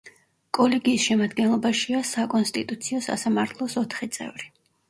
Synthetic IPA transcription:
kʼɔlɛɡiːsʃɛmad̪ɡɛnlˠɔbaʃiasakʼɔnst̪ʼḭt̪ʼut̪sʰiɔsa̰samaɾt̪ʰlˠɔsɔt̪ʰχit̪sʼɛ̰vɾi

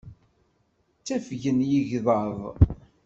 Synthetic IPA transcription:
t͡sːæfʝənjiʝðˤɑðˤ

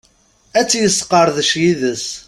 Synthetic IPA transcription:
æt͡sːjəsːqəɾˤðəʃjiðəs

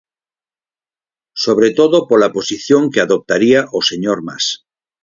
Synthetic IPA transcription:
soβ̞ɾet̪oðopolaposiθjoŋkeaðop̚t̪aɾiaʔoseɲoɾma̰s

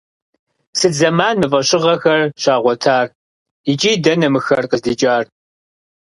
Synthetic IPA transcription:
sɨtzɐmaːnmɨfʼɐɕɪʁɐxɐrɕaːʁʷɔtʰaːr | it͡ʃʼiːdɐnɐmɨxɐrqəzdit͡ʃʼaːr

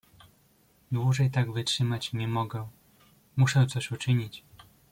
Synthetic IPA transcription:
d̪wuʐɛjt̪aɡvɘtʂɘmat͡ɕɲɛmɔɡɛ | muʂɛt̪sɔɕut͡ʂɘɲit͡ɕ

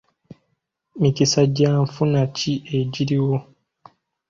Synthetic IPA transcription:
micisaɟaːɱfunaciʔeɟiɾiwo̞

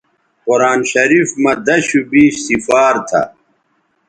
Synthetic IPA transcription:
qoɾaːnɕɐɾiːfmɐd̪ɐɕubiːɕsifaːɾt̪ʰɐ̰

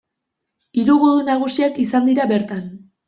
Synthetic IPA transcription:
iɾuɣoðunaɣ̞usiakisand̪iɾabe̞ɾt̪an

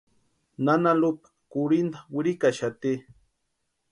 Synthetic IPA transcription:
nanalupḁkuɾind̪awiɾikaʃat̪i

